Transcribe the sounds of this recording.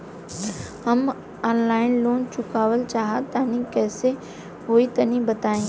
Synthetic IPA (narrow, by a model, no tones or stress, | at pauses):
hɐm | ɔːnlaːɪnloːnt͡ʃʊkaːʋəlt͡ʃaːɦat̪aːnĩkɛːse | ɦoːit̪ɐnĩbɐt̪aːẽː